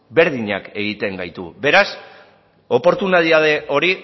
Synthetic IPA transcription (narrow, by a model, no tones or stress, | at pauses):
be̞ɾð̞iɲa̰ke̞ɣ̞it̪e̞ŋɡajt̪ṵbe̞ɾas | o̞po̞ɾt̪unaðiaðe̞ʔo̞ɾi